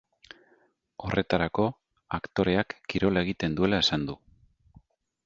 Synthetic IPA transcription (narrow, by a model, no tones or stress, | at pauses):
o̞re̞t̪aɾako̞ | akt̪o̞ɾe̞akːiɾo̞lae̞ɣit̪e̞nd̪ue̞lae̞sand̪u